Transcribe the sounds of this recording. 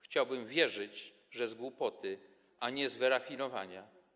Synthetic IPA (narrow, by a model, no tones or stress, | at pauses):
xt͡ɕawbɘmvʲjɛʐɘd͡ʑ | ʐɛzɡwupɔt̪ʰɘ | ʔaɲɛzvɛɾafʲinɔvaɲa